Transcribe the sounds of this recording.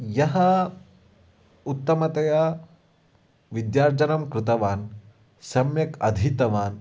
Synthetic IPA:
jɐɦɐ | ut̪ːɐmɐt̪ɐjaː | ʋid̪jaːɾd͡ʒɐnɐmkɾɪt̪ɐʋaːn | sɐmjɐkɐd̪ʱit̪ɐʋaːn

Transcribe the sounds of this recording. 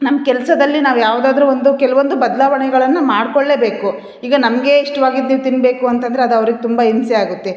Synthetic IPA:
nɐmːɐkɛlsɐd̪ɐlːinaːʋujaːʋd̪aːd̪ɐɾuʋond̪ukɛlɐʋond̪ubɐd̪ɐlaːʋɐɳɛɡɐɭɐnːɐmaːɽkoɭːeːbe̞ːku | iːɡɐnɐmɐɡe̞iʂʈɐʋaːɡid̪niːʋut̪inbe̞ːkuɐnt̪ɐnd̪ɐɾeɐd̪ɐʋɐɾiɡet̪umbɐinsiaːɡut̪ːe̞

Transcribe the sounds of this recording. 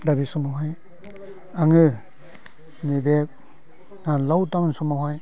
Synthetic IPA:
dabisɔmaɦaj | aŋɯ | nibek̚ | alawtawnsɔmawɦaj

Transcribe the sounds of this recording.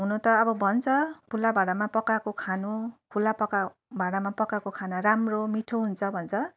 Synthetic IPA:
ɦunut̪ʌːbʌbʱʌnt͡sʰʌpʰulabʱaɽamapʌkakokʰanukʰulapʌka | bʱaɽamapʌkakokʰanaɾamromiʈʰoɦunt͡sʰʌbʱʌnt͡sʰʌ

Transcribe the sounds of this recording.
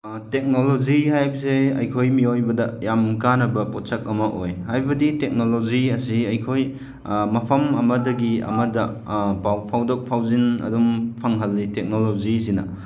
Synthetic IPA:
tek̚noloziɦajbɐseɐ̰jkʰojmiojbɐdɐjamkanɐbɐpɔt̚sɐk̚ɐmɐʔojhajbɐditek̚noloziɐsiɐjkʰoj | mɐpʰɐmɐmɐdɐɡiɐ̰mɐdɐ | pawpʰawdɔk̚pʰawzinɐ̰dɔmpʰɐŋɦɐlːitek̚nolozisinɐ̰

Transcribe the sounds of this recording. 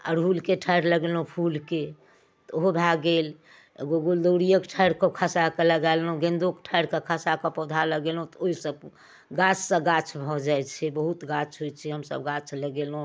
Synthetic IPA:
a̰ɾɦulkeʈʰəɾləɡelõpʰulke | t̪oɦobʱaɡel | ḛɡoɡuld̪oɽijəkʈʰəjɾkokʰasakeləɡalːõɡend̪okʈʰəɾkekʰasakɔpɔd̪ʱaləɡelõt̪oisəb̚ | ɡat͡ʃʰsə̃ɡat͡ʃʰbʱɔd͡ʒajt͡ʃʰɛbəɦut̪ɡat͡ʃʰɦojt͡ʃʰɛɦəmsə̰bɡat͡ʃʰləɡelũ

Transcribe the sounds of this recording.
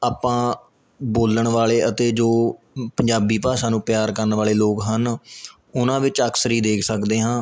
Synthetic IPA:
aːpãː | boːləɳʋaːleːət̪eːd͡ʒoː | pəɲd͡ʒaːbiːpaːsãːnũːpjaːɾkəɾənʋaːleːloːkɦən | ʊnãːʋɪt͡ʃəksəɾiːd̪eːkʰsəkd̪eːɦãː

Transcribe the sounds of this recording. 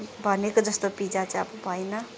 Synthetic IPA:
bʱʌnekod͡zʌst̪opid͡zat͡sʌʌbʌbʱʌjnʌ

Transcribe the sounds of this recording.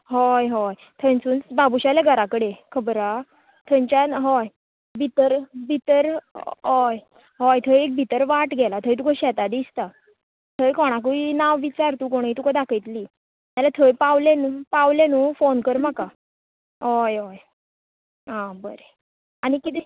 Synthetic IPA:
ɦɔjɦɔj | t̪ʰənt͡suːnt͡sbabuɕaljaɡʱəɾakəɽekʰəbɾa | t̪ʰəɲt͡ɕaɦɔj | bʱit̪əɾbʱit̪əɾɦɔj | ɦɔjt̪ʰəjek̚bʱit̪əɾʋaʈɡʱɛlat̪ʰəjt̪ukəɕɛt̪ad̪ist̪a | t̪ʰəjkɔɽ̃ak̬uinaʋʋit͡ɕaɾt̪uːk̬oɽ̃it̪ukəd̪akʰəjt̪liː | malat̪ʰəjpaʋlɛnuːpaʋljanufonkəɾmaka | ɦɔjɦɔj | ɦãbəɾe | aɽ̃ikit̪i

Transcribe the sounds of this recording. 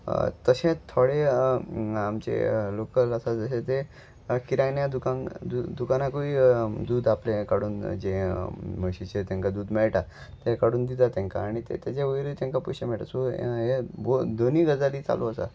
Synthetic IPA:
t̪əɕẽt̪ʰoɽe | amt͡ɕḛlokələsad͡zəɕet̪e | kiɾajnjad̪ukãŋd̪ud̪ukanakoʋiːd̪uːd̪aplẽkaɽuːnd͡ʑeməɕit͡ɕet̪ẽŋkad̪uːd̪mɛɭʈa | t̪ekaɽuːnd̪it̪at̪ɛ̃ŋka̰ːɽ̃it̪ḛt̪ed͡ʑeʋəɾiːt̪ẽŋkapuɕemɛɭʈa̰soɦebod̪oniːɡəd͡zaliːt͡sa̰loəsa̰

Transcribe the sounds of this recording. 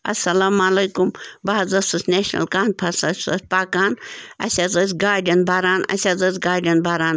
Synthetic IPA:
ɐ̰sɐlaːmalɐjkumbaːzɐsɐsneːʃnɐ̰lkaːnpʰɐɾsɐsʲɐsʲpaːkaːnɐ̰sʲazɐs̬ʲɡaːɾɖiɐnbʱaːɾaːnɐ̰sʲazɐsʲɡaːɾɖʲiɐnbaːɾaːn

